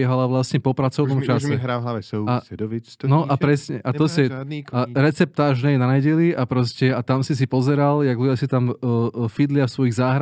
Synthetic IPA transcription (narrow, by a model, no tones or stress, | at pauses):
ɛɦalaʋlasɲɛpɔpɾat͡sɔʊnɔmt͡ʃasɛɛɦɾaaa | nɔʔapɾɛsɲɛʔat̪ɔsɛaɾɛt͡sɛp̚t̪aːʒnɛjnaajɟɛliapɾɔscɛat̪amsis̬ipɔzɛɾaljaɡluasit̪amːfid̪lɪafsʋɔjiɣzaːɦɾa